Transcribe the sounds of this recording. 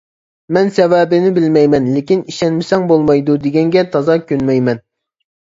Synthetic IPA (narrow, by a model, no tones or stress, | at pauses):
mɛnsɛwɛːbɪnɪbɪlmɛjmɛnlekʲiniʃɛnmɪsɛŋbolˠmɑjd̪ud̪eɡʲɛŋɡʲɛt̪ʰɑzɑkʲʰønmɛjmɛn